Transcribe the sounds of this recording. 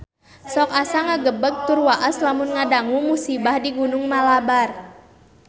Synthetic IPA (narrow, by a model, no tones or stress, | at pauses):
sɔk̚asaŋaɡəbək̚t̪ʊrwaʔaslamʊnŋadaŋumusibahdiɡunʊŋmalabar